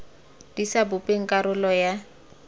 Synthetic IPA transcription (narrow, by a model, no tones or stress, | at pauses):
d̥isabʊpʼeŋ̩kʼaɾʊlɔja